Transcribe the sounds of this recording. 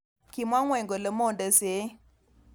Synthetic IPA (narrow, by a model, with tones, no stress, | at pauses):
ki˨mwa˦ŋwɛ˨ŋɡo˨lə˨mɔ˦˨ndə˨se˨˦